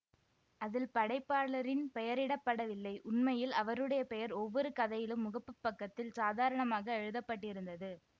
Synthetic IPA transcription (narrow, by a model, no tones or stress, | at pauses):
ɐðɪlpɐɽɐɪpːaːɾlɐɾɪnpɛjɐɾɪɽɐpːɐɽɐʋɪlːɐɪʔʊɳmɐjɪlɐʋɐɾɯɽɐjɐpɛjɐɾɔʋːɔɾɯkɐðɐjɪlɯmːʊɣɐpːɯpːɐkːɐt̪ːɪlsaːðaːɾɐɳɐmaːɣɐɛɻɯðɐpːɐʈːɪɾɯnd̪ɐðɯ